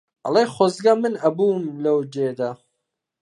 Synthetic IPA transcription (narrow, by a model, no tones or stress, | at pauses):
ɐ̰lejχʷozɡɐmɨnɐbuːmlɐwd͡ʒed̪ɐ